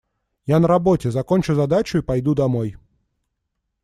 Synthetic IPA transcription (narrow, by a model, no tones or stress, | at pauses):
janɐɾabɔtʲɛzɐkɔnʲt͡ʃʊzad̪at͡ʃʊipajd̪ud̪amɔj